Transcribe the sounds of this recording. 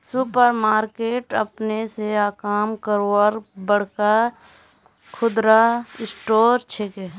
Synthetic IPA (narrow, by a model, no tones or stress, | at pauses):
supəɾmaːɾkeːʈə̰pneseaːkaːmkəɾoəɾbəɽ̤ka | kʰʊd̪ɾaɪsʈoːɾt͡ʃʰeke